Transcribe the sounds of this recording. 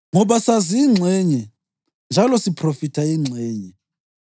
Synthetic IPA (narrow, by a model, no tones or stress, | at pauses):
ŋɔɓasaziːŋ͡ǀʱɛɲɛ | nd͡ʒʱalɔsipʰrofitʰaiŋ͡ǀʱɛːɲɛ